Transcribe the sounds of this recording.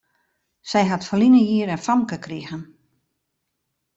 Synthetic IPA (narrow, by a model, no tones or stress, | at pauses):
sɛjɦatfəlinəjiəɾɛnfamkəkriɣən